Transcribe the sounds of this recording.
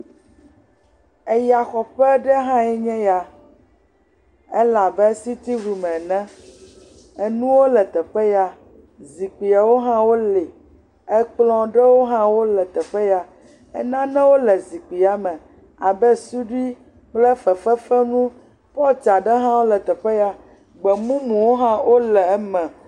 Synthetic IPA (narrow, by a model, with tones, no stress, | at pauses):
ɛ˦ja˨xɔ˨ɸɛ˦ɖɛ˦ɦã˦ɛ˦ɲɛ̃˦ja˨ | e˦la˨bɛ˦si˦t̪i˦vu˨mɛ̃˨nɛ̃˦ | ɛ˨nũ˦wo˦lɛ˨t̪ɛ˨ɸɛ˦ja˦ | zi˨k͡pi˨a˨wo˦ɦã˦wo˦le˨ | ɛ˦k͡plɔ̃˦ɖɛ˦wo˦ɦã˦wo˦lɛ˨t̪ɛ˨ɸɛ˦ja˨ | ɛ̰˦nã˦nɛ̃˦wo˦lɛ˨zi˨k͡pi˨a˨mɛ̃˨ | a˨bɛ˦su˦ɖi˦ | k͡plɛ˦fɛ˨fɛ˦fɛ˦nũ˦ | pɔ˦t͡ʃa˨ɖɛ˦ɦã˦wo˦lɛ˨t̪ɛ˨ɸɛ˦ja˨ | ɡ͡bɛ˨mũ˦mũ˨wo˦ɦã˦wʔo˦lɛ˨˦mɛ̃˨